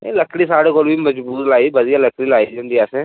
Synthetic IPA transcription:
ḛləkɽisaːɽekoːlbʱimɐd͡ʒbuːt̪laːibɐd̪ijalɐkɽilaːid͡ʒɐ̃nd̪ijaːsẽ

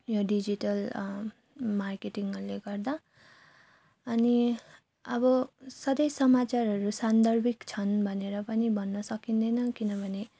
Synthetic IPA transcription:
joɖid͡ziʈʌl | markeʈiŋʌɾleɡʌrd̪a | ʌni | ʌbʌsʌd̪ʌjsʌmat͡sarʌɾusand̪ʌrbʱikt͡sʰʌnbʱʌneɾʌpʌnibʱʌnːʌsʌkind̪ʌjnʌkinʌbʱʌne

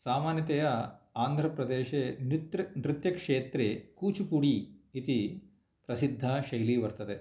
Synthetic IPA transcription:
saːmaːnjɐt̪ɛjɐaːnd̪ʱɾɐpɾɐd̪eːʃeːnt̪nɾut̪jɐkʂeːt̪ɾekuːt͡ʃupuɽiit̪i | pɾɐsid̪ʱːaʃɐjliːʋɐɾt̪ɐd̪e

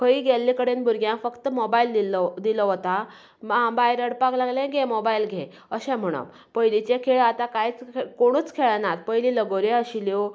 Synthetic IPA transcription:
kʰəiɡʱɛlːikəɽenbuɾɡjãfəkt̪əmobaild̪id̪ilɔɦot̪a | ãbajɾəɽpaklaɡlẽɡʱemobailɡʱẽ | əɕɛ̃m̤əɽ̃ə̰m | pəjlit͡ɕekʰeɭat̪akajt͡skoɽ̃uːt͡skʰeɭnat̪̚pəjliləɡoɾeəɕiljo

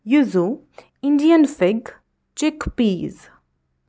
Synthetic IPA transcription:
juzu | ɪ̃nɖiə̃nfɪɡ | t͡ʃɪkpiːz

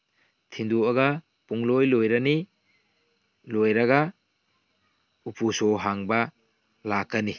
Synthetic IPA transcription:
tʰinduɐɡa | puŋlojlojɾɐni | lojɾɐɡa | upʰusoɦaŋbɐ | lakːɐni

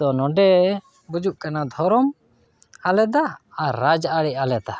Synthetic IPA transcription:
ɔnɔɖɛ | bud͡ʒuʔkanad̪ʱɔɾɔm | alɛd̪aaɾad͡ʒaʔaɽɛʔalɛd̪a

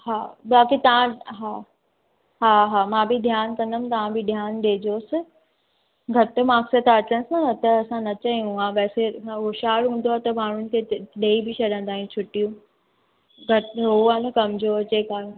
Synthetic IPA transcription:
ɦaːɓaːkit̪ɐʋ̤ãɦaː | ɦaːɦaːmãbʱid̪ʱjaːnkɐ̃nd̪əmt̪ɐʋ̤ãbɪd̪ʱjaːnɗeːd͡ʑoːsɪ̆ | ɡʱɐʈ̆maːksət̪ʰɐt͡ɕənɪsɐnɐt̪ɐɐsãnɐt͡ɕɐɦijũuãpɛːsẽɦoʃaːɽɦũːn̆d̪oaːet̪ɐmaːɽ̤ʊnɪ̆kʰeːɗeːibɪt͡ɕʰɐɗə̃nd̪aːɦijũt͡ɕʰʊʈijũ | ɡʱɐʈɦʊaːnɐkɐmd͡ʑot͡ɕeːkaː

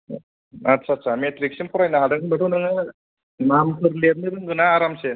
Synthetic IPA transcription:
asʰaːsʰametɾik̚simpʰɔɾajnaɦadɯŋɯbaʈʰunaŋa | mamkʰɯɾleb̚nɯɾɯŋɡɯnaːɾamse

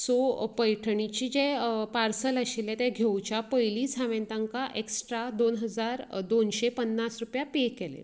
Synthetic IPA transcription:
sopəjʈʰɳit͡ɕiːd͡ʑepaɾsələɕilɛ̃t̪ɛ̃ɡʱewt͡ɕapəjlisaʋẽnt̪aŋkaʔeksʈɾad̪onɦəd͡zaɾd̪onɕepənːasɾupjapekelḛ

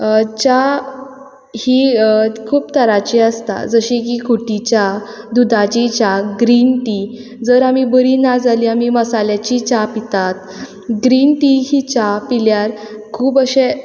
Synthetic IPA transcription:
t͡ɕa | hikʰuːbt̪əɾat͡ɕiəst̪a̰d͡zəɕik̬ikʰuʈit͡ɕa | d̪ud̪ʱat͡ɕit͡ɕaɡɾinʈi | d͡zəɾamibəɾinad͡zaliamiməsaljat͡ɕit͡ɕapit̪at̪̚ | ɡɾinʈiɦit͡ɕapiljaɾ | kʰuːpəɕe

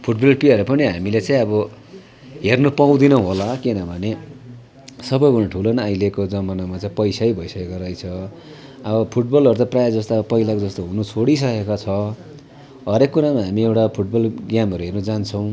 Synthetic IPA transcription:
pʰuʈbʌlpiaɾupʌniɦamilet͡saĩʌbʌ | ɦernopaw̃d̪inʌɦolakinʌbʱʌne | sʌbʌjbunaʈʰulonʌajlekod͡zʌmʌnamat͡saĩpʌjsajbʱʌjsʌkekoɾʌjt͡sʰʌ | ʌbʌpʰuʈ̚bʌlʌɾut̪aprajad͡zʌst̪apʌɦilakod͡zʌst̪oɦunut͡sʰoɽis̬ʌkekot͡sʰʌ | ɦʌɾekːuɾamaɦamiewʈapʰuʈ̚bʌlɡjamʌɾuɦernud͡zant͡sʰʌw̃

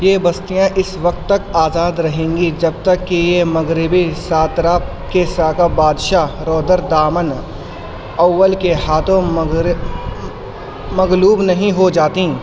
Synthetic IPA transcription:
jeːbɐst̪ijãʔɪswɐkt̪ːɐkaːzaːd̪ɾɐɦẽːŋɡid͡ʒɐb̚t̪ɐkːijemɐɡɾɪbisaːt̪ɾaː | kesaːkabaːd̪ʃaɾɔːd̪əɾd̪aːmən | ɐʋːəlkeɦaːt̪ʰõɾ | mɐɡluːbnɐɦĩɦod͡ʒaːt̪ĩ

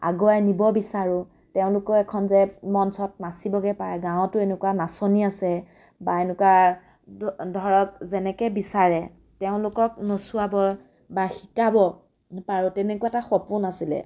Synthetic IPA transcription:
a̰ɡɔajnibɔbisaɹʊ | teʊ̃lʊkɔɛkʰɔnzɛmɔnsɔt̚nasibɔɡɛpaɹɛɡãw̃tʊenʊkwanasoniasɛ | baenʊkwa | dʱɔɹɔk̚zɛnɛkɛbisaɹɛ | teʊ̃lʊkɔk̚nɔsʊabɔɹ | baxi̥kabɔ | paɹʊtɛnɛkuaɛtaxɔpʊnasilɛ̰

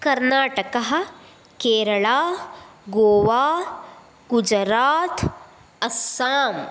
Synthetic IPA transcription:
kɐɾnaːʈəkɐɦ | keːɾɐɭaːɡoːʋaː | ɡʊd͡ʒɾaːt̪ | ɐsːaːm

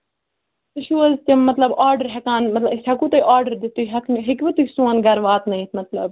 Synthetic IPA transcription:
t̪uʃuːɐzt̪ʲɐmmɐt̪lɐbaːɾɖəɾɦɐkaːnmɐt̪lɐsɐkut̪ɐiʔaːɾɖəɾd̪it̪uɦɐkɦɪkbit̪usũːɐnɡɐɾʋaːt̪nɐĩt̪ʰmɐt̪lɐb̚

